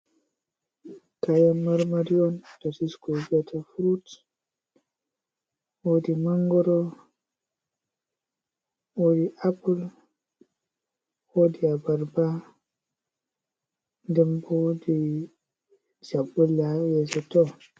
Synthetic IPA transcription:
kajanmaɾmaɾiɔntasiskoviatʰafɾut | wodimaŋɡɔɾɔ | wodiʔapul | wodiabaɾba | ndɛmbodi | d͡ʒabulajɛsɛtɔ

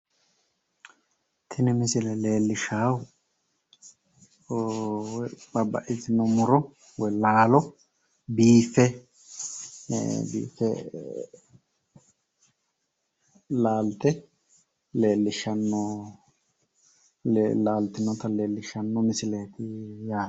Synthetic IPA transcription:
t̪ʰɪnɪmɪsɪlɛle̞ːlːɪʃaːw | bɐbːɐ̰ʔɪtɪnːɔmʊɾɔ | wɔjlaːlɔ | biːfːɛ | bḭːfɛ | laːlt̪ɛ | le̞ːlːɪʃɐnːɔ | laːlt̪ɪnːɔt̪ɐle̞ːlːɪʃɐnːɔmɪsɪle̞ːt̪ɪjaː

